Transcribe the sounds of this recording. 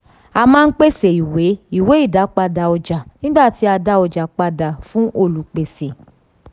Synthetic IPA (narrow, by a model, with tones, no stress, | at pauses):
a˧mãː˦˧n̩˦k͡pe˦se˨i˨we˨˦i˦˨we˨˦i˦˨da˨˦k͡pa˧da˧ɔ˧d͡ʒa˨nĩ˦ɡ͡ba˦˨ti˨˦a˧da˧˦ɔ˧d͡ʒa˨k͡pa˧da˧˨fũ˦ʔo˧˨lu˨k͡pe˨se˨